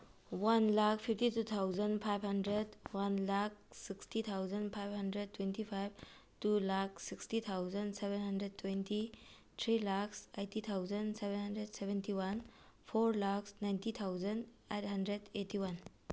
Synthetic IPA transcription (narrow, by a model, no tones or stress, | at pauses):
wanlak̚ʰpʰip̚ʰtitut̪ʰawzənpʰajbʱhɐndɾedwanlak̚ʰsikstit̪ʰawzənpʰajb̚ʱɦɐndɾed̚tːwentipʰajb̚ | tulak̚ʰsikstit̪ʰawzənsebenɦɐndɾedtːwenti | t̪ʰɾilaksejtit̪ʰawzənsebenɦɐndɾedsebʱentiwanpʰoɾlaksnajntit̪ʰawzənd | ejt̚ɦɐndɾedetːiwan